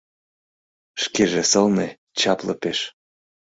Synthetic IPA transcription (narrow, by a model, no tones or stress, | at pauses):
ʃkeʒesɤ̆lne | t͡ɕɑplɤ̆peʃ